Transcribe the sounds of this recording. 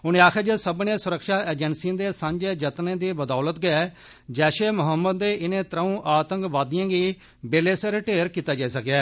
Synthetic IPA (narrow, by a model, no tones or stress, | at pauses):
ʊnẽːaːkʰɛːd͡ʒeːsəbnẽːsʊɾəkʃaːeːd͡ʒənsĩːd̪eːsə̃ɲd͡ʒeːd͡ʒət̪nẽːd̪iːbəd̪ɔːlət̪ɡəɛː | d͡ʒɛːʃeːmʊɦəmːəd̪ːeːʔɪnẽːt̪ɾəũːʔaːt̪əŋkʋaːd̪ɪjãːɡiː | beːleːsəɾʈeːɾkiːt̪aːd͡ʒaːiːsəkɛː